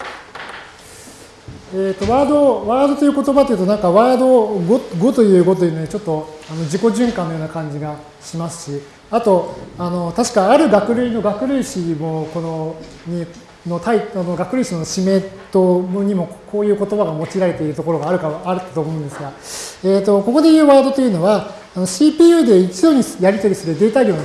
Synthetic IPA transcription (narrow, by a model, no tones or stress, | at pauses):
et̪ːo̞βaːd̪o̞βaːd̪o̞t̪ojɯ̟ko̞t̪o̞bat̪eiɯ̟t̪o̞nãŋkaβaːd̪o̞ɡoɡo̞t̪o̞jɯ̟ːɡo̞t̪o̞jɯ̟noit͡ɕo̞t̪ːo̞ano̞d͡ʑiko̞ʑɨ̃ŋkãnːojoːnakãɲ̟d͡ʑiɡa | ɕimasɨ̥ɕi | at̪o̞ano̞t̪aɕi̥kaaɾɯ̟ɡakɯ̟ɾʲɯ̟ino̞ɡakɯ̟ɾʲɯ̟ɕimo̞ko̞no̞ | ɲi | no̞t̪aiano̞ɡakɯ̟ɾʲɯ̟ːɕinoɕime̞t̪o̞ɲ̟imo̞kʰo̞ːjɯ̟ːko̞t̪o̞baɡamo̞t͡ɕiɾaɾe̞t̪e̞iɾɯ̟t̪o̞ko̞ɾo̞ɡaːɾɯ̟kaβːɾɯ̟t̪ːat̪o̞ːmo̞ɯ̃nd̪esɨɡa | eːt̪o̞ko̞ko̞d̪e̞jɯ̟ːβaːd̪o̞t̪o̞jɯ̟no̞βaː | no̞ɕiːpʲiːɯ̟d̪e̞it͡sɨjo̞ːɲ̟ijaɾʲit̪aɾʲisɨɾɯ̟d̪e̞ːt̪ao̞ːn